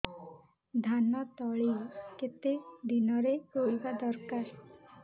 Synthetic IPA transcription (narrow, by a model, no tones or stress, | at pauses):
d̪ʱanɔt̪ɔɭiket̪ed̪inɔɾeɾoibad̪ɔɾkaɾ